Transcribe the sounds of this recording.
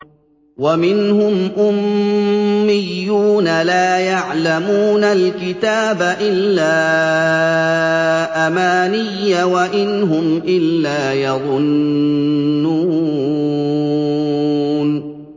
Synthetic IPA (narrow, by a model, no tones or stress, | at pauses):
wamɪnhʊmʔʊmː | ɪjːuːnalaːjaʕlamuːnalkɪt̪aːbaʔɪlːaː | ʔamaːnɪjːawaʔɪnɦʊmʔɪlːaːjɑðˤʊnː | uː | n